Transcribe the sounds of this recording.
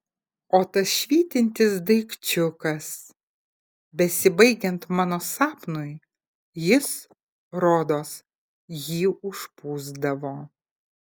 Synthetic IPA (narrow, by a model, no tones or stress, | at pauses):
oːt̪ɐsʃʲʋʲiːt̪ʲɪnʲt̪ʲɪs̬d̪ɐɪkt͡ʃʲʊkɐs | bʲɛsʲɪbɐɪɡʲɛnt̪mɑːnoːsɑːpnʊɪ | jɪs | ɾoːd̪oːs | jiːʊʃpuːzd̪ɐʋoː